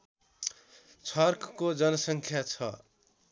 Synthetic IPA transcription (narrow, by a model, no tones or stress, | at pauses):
t͡sʰʌrkʰkod͡zʌnʌsʌŋkʰjat͡sʰʌ